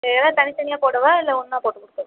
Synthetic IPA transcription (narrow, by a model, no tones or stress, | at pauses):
elãːt̪ɐnɪt̪ɐɳɪjaːpoːɽɐʋaːɪlːɐʊnːaːpoːʈːɯkʊɽɯkːɐ